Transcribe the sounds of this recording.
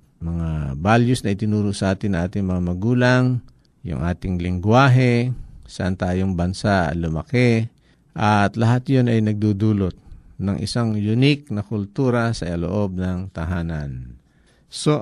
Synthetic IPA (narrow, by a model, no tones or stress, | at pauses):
mɐŋabaljʊsnɐʔɪt̪ɪnuːɾʊʔsɐʔaːt̪ɪnːɐŋʔaːt̪ɪŋmɐŋamɐɡuːlaŋ | jʊ̰ŋʔa̰ːt̪ɪŋlɪŋɡwaːɦɛsɐʔant̪aːjoŋbɐnsaʔlʊmɐkɛ | ʔɐt̪lɐɦat̪jonɐjnɐɡ̚d̪ud̪uːlot̪̚nɐŋʔɪ̰saŋjʊnɪk̚nɐkʊlt̪uːɾɐsɐɐlo̰ʔo̞b̚nɐŋt̪ɐɦaːnan | so